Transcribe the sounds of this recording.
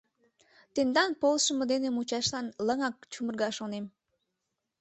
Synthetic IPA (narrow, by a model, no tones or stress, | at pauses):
t̪end̪ɑnpolˠʃəməd̪enemut͡ɕɑʃlɑnləŋɑk̚t͡ɕumərɣɑʃonem